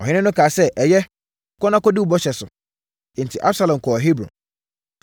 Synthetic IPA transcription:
ɔ˨ɪ̃˦nɪ̃˦nʊ̃˦kʰaː˨sɛ˦ʔɛ˨jɛ˦˨ | kɔ˦nã˦kɔ˦du˦˨bɔ˦ɕɛ˨sʊ̰̃˨ | n̩˨tʰi˨ʔa˦sa˦lã˨mkʰɔ˨ɦi˦bɾɔ̰̃˨

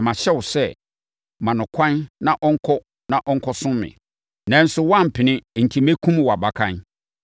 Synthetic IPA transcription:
mã˨ɕɛ˦wʊ˨sɛ˦ | mã˨nʊ̃˨kʷʰã˦nnã˦ʔɔ˦ŋ̩˦kʰɔ˦ | nã˦˨ʔɔ˦ŋ̩˦kʰɔ˦sʊ̃˦mmɪ̰̃˨ | nã˨˦n̩˦sʊ˦wã˦˨m̩˨pʰɪ˨nɪ̃˦˨n̩˨tʰi˨me˦kʰũ˦m˨wɔ˨a˨ba˨kʰã˦n

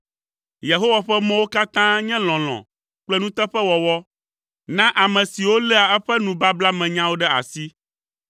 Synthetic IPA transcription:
je˨ɦo˦wa˨ɸɛ˦mɛ̃˦wo˦ka˦t̪ã˦ɲɛ̃˦l̃ɔ̃˨l̃ɔ̰̃˨ | k͡plɛ˦nũ˦t̪ɛ˦ɸɛ˦wɔ˨wɔ˦ | nã˦ʔa˨mɛ̃˨si˨wo˦lɛ˦a˨ɛ˦ɸɛ˦nũ˨ba˦bla˦mɛ̃˨ɲã˦wo˦ɖɛ˦a̰˨si˦

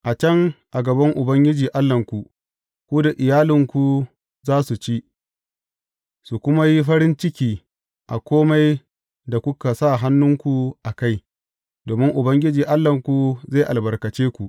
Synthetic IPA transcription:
ʔa˨t͡ʃɐ˦ŋʔa˨ɡɐ˨bɐ˦ŋʔʊ˨bɐ˦ŋɡʲɪ˦d͡ʒiː˨ʔa˦lːɐ˨ŋkʷu˨ | kʷuː˦da˨ʔɪ˨jaː˦lɪ˨ŋkʷu˨ | zaː˦su˨t͡ʃi˦ | su˨kʷʊ˦ma˦ji˦ɸɐ˦ɾɪ˦nt͡ʃɪ˦kʲiː˦ | ʔa˨kʷoː˦ma˦j | da˨kʷʊ˦ka˨sa˦˨ɦa˦nːʊ˦ŋkʷu˨ʔa˨ka˦˨j | doː˨mɪ˦ŋʔʊ˨bɐ˦ŋɡʲɪ˦d͡ʒiː˨ʔa˦lːɐ˨ŋkʷu˨za˦˨ʔa˨lbɐ˨rkɐ˨t͡ʃeː˦kʷu˨ʔ

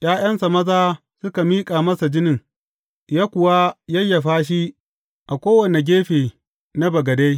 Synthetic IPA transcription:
j̰aː˦j̰ɐ˦nsa˨mɐ˦zaː˦ | sʊ˦ka˨miː˦kʼaː˨mɐ˦sa˨d͡ʒɪ˦nɪ˨ŋ | jaː˦kʷʊ˨wa˦jɐ˦jːa˨ɸaː˦ʃ̬i˦ | ʔa˨kʷoː˦wɐ˨ne˨ɡʲeː˦ɸeː˨ | na˦bɐ˨ɡɐ˨de˦j

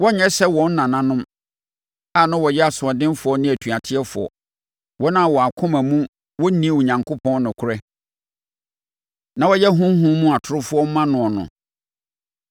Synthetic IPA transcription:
wɔ˦ɲɛ̃˦sɛ˦wɔ̃˨n̩˦nã˨nã˦nʊ̃˦m | a˨nã˦wɔ˨jɛ˦a˨sʊ˨ɔ˨dɪ̃˦nfʊ˨ɔ˦nɪ̃˦æ˨tʰu˨a˨tʰɪ˦ɛ˦fʊ̰˨ɔ̰˨ | wɔ˦nã˦˨wɔ˨a˨kʰʊ̃˦mæ̃˨mũ˦ | wɔ˦n˦nĩ˦˨wɔ˨ɲã˨ŋkʰo˦pʰɔ̃˦n˦nʊ̃˨kʰʊ˦ɾɛ˦ | nã˨wɔ˦jɛ˦ɦũ˦m˦ɦũ˦mũ˦a˨tʰʊ˦ɾʊ˦fʊ˦ɔ˦mã˦nʊ̃˨ɔ˨nʊ̰̃˨

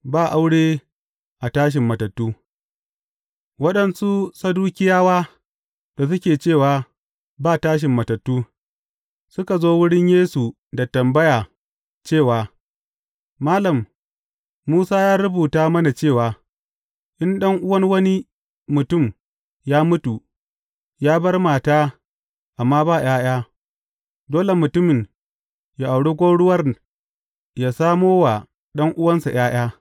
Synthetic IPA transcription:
baː˦˨ʔa˦wɽeː˦ | ʔa˨taː˦ʃ̬ɪ˨mːɐ˨tɐ˨tːuː˦ | wɐ˦ɗɐ˨nsu˦sa˦duː˦kʲɪ˦jaː˦waː˦ | d̥a˨s̬ʊ˦kʲeː˨t͡ʃeː˦˨waː˨ | baː˦˨taː˦ʃ̬ɪ˨mːɐ˨tɐ˨tːuː˦ | sʊ˦ka˨zoː˦wʊ˦ɽɪ˦ɲjeː˦su˨ | da˨tɐ˨mbɐ˦jaː˨ | t͡ʃeː˦˨waː˨ | maː˦lɐ˨mː | uː˦saː˦jaː˦ɾʊ˦buː˨taː˦mɐ˦na˨t͡ʃeː˦˨waː˨ | ʔɪ˦nɗɐ˦ŋʔʊ˦wɐ˦nwɐ˦ni˦ | mʊ˨tʊ˦˨m | jaː˦mʊ˦tu˨ | jaː˦bɐ˦rmaː˨taː˦ | ʔa˨mːaː˦baː˦˨j̰aː˦j̰aː˦ | doː˦le˨mʊ˨tʊ˦mɪ˨ɲ | ja˨ʔa˨wɽe˦ɡʷoː˦ɽʊ˦wɐ˦r | jaː˨saː˦moː˦wa˨ | ɗɐ˦ŋʔʊ˦wɐ˦nsa˨j̰aː˦j̰aː˦

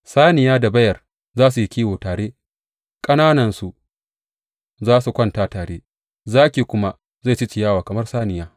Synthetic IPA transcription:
saː˦nɪ˨jaː˦da˨bɐ˦jɐ˨r | zaː˦s̬u˨ji˦kʲiː˦woː˨taː˨ɽeː˦ | kʼɐ˦naː˦nɐ˨nsu˨ | zaː˦su˨kʷɐ˦ntaː˦taː˨ɽeː˦ | zaː˦kʲiː˨kʷʊ˦ma˦ | za˦˨t͡ʃɪ˦t͡ʃɪ˨jaː˦waː˨kɐ˨mɐ˦rsaː˦nɪ˨jaː˦

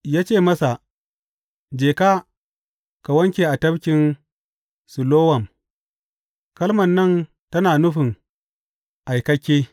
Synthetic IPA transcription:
jaː˦t͡ʃeː˦˨mɐ˦sa˨ | d͡ʒeː˨ka˦ | ka˨wɐ˦ŋkʲeː˨ʔa˨tɐ˦bkʲɪ˨n | sʊ˨loː˦wɐ˨m | kɐ˦lmɐ˨nːɐ˦˨n | tɐ˦naː˨nʊ˦ɸɪ˨ŋ | ʔa˨jkɐ˦kʲːeː˦

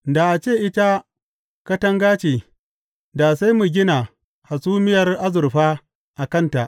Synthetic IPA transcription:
da˨ʔa˨t͡ʃeː˦˨ʔɪ˦ta˦ | kɐ˦tɐ˦ŋɡaː˦t͡ʃeː˨ | da˨sa˦jmu˨ɡʲɪ˦na˨ | ha˨suː˦mɪ˦jɐ˨rʔa˦zʊ˨rɸaː˦ | ʔa˨kɐ˦˨nta˨ʔ

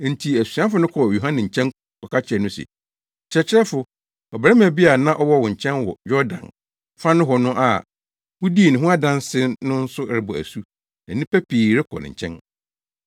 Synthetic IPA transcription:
n̩˨tʰi˨æ˨su˨ã˦fʊ˨˦nʊ̃˦kʰɔ˨jo˨ɦã˦nɪ̃˨ɲ̩˨t͡ɕʰɛ̃˦ŋ | kɔ˨kʰa˦t͡ɕʰɪ˨ɛ˨nʊ̃˦sɛ̰˨ | t͡ɕʰɾɛ˨t͡ɕʰɪ˦ɛ˦fʊ˨ | ɔ˨bɛ˦m˦æ˨bi˦a˨nã˦ʔɔ˦wɔ˦wʊ̃˨ɲ̩˨t͡ɕʰɛ̃˦nwɔ̰˨jɔ˦dã̰˨n | fã˦nʊ̃˦ɦɔ˨nʊ̃˦ʔa˨ | wʊ̃˦di˦˨nɪ̃˨ɦʊ̃˦a˦dã˦nsɪ˦nʊ̃˦n̩˦sʊ˦ɾɪ˨bɔ˨æ̰˨su˦ | nã˨nĩ˦pæ˦pʰiː˨ɾɪ˦kʰɔ̰˨nɪ̰̃˨ɲ̩˨t͡ɕʰɛ̰̃˦n

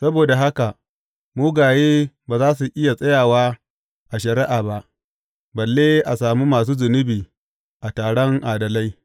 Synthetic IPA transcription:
sɐ˦boː˨da˨ɦa˦ka˨ | muː˦ɡaː˨jeː˦baː˨zaː˦s̬u˨ʔɪ˦ja˨sʼɐ˦jaː˨waː˦ | ʔa˨ʃɐ˨ɾɪ˦ʔaː˨ba˦ʔ | bɐ˨lːeː˦ʔa˨saː˨mu˦maː˨s̬uː˦zʊ˨nɪ˦biː˨ | ʔa˨taː˨ɽɔ˦ŋʔaː˨dɐ˨la˦j

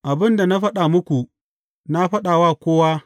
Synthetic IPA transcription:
ʔa˨bɪ˦nda˨na˦ɸɐ˦ɗa˨mʊ˦kʷu˨ | na˦ɸɐ˦ɗaː˨waː˦kʷoː˦waː˦

